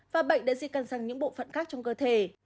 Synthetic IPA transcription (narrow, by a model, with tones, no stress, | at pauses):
vaː˨˩ɓə̰˧˨ŋ̟ɗa̰ː˧˥zi˧˩kaː˨˩nsaː˧˩ŋɲɨ̰˧˥ŋɓo̰˧˨fə̰˧˨nxaː˦˥k̚t͡ɕɔ˧wŋ͡mkəː˧t̪ʰe˨˧˩